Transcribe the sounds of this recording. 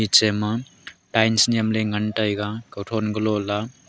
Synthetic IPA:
it͡semaʈajnsnijʌmleŋɡəɳʈʌjɡãkʌwʈʰonɡʌlola

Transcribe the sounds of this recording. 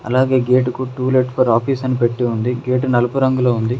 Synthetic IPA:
ɐ̰laːɡe̞ːɡeːʈukuʈuːleʈpɐɾaːpiːsɐnipeʈːiund̪iɡeːʈunɐlɐpuɾɐŋɡuloːund̪i

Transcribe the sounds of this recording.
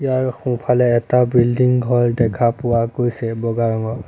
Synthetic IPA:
ijaɹxũpʰalɛːtabildiŋɡʱɔɹdɛkʰapʊwaɡojsɛbɔɡaɹɔŋɔ

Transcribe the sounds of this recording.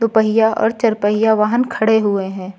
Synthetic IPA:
t̪opəɦɪjaʔɔ̰ːɾt͡ʃɐɾpəɦijaʋaːɦənkʰɐɽeɦueɦɛ̃ː

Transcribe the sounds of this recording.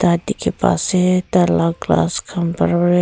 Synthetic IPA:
t̪aːt̪ikepa̰ːset̪alaɡla̰ːskʰɐmpəɾɾ

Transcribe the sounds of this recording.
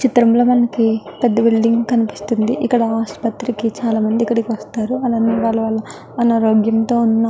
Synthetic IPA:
t͡ʃit̪ɾɐmlɐmɐnɐkipɛd̪ːɐbiɭɖiŋɡkɐnipi̥st̪und̪ḭʔikːɐɽɐaːspɐt̪ɾikit͡ʃaːlaːmɐnd̪ikːɐɽikiʋɐst̪aːɾuɐlaːnːiːʋaːɭːɐʋaːɭːɐ | ɐnaːɾoːɡjɐmt̪o̞ːunːɐ

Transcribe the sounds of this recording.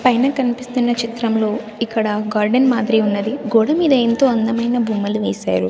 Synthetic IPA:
pɐjnɐkɐnipist̪unːɐt͡ʃit̪ɾɐmlo̞ː | ikːɐɽɐɡaːɾɖenmaːd̪ɾiunːɐd̪iɡɔːɽɐmiːd̪ɐent̪o̞ːɐnd̪ɐmɐjnɐbʱumːɐluʋɛːsa̰ːɾu

